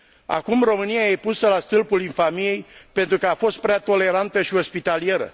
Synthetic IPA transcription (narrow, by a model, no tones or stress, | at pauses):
a̰kumro̞mɨnijaje̞pusəlast̪ɨlpuliɱfamiejpe̞nt̪ɾukəafo̞st̪̚pɾeat̪o̞le̞ɾant̪əʃio̞spit̪alije̞ɾə̰